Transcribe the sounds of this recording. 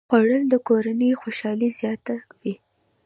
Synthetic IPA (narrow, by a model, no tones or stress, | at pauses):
waɽəld̪əkoɾanəjxoʃɑlizjɑt̪awi